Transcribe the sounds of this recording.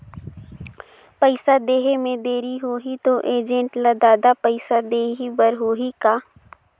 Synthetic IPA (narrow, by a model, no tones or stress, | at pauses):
pəɪsad̪eːɦemẽd̪eːɾiɦoːɦit̪oʔeːd͡ʒə̃ɳʈlad̪aːd̪apəɪsad̪eːɦibəɾɦoːɦikaː